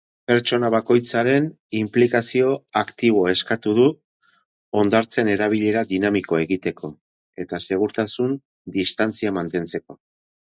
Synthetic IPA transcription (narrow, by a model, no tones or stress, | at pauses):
pe̞ɾt͡ʃo̞naβako̞jt͡saɾe̞n | implikasio̞akt̪iβ̞o̞e̞skat̪uðu | o̞nd̪aɾt͡se̞ne̞ɾaβ̞iʎe̞ɾaðinamiko̞e̞ɣit̪e̞kʰo̞ | e̞t̪ase̞ɣ̞uɾt̪asun | d̪ist̪ant͡siamant̪e̞nt͡se̞ko̞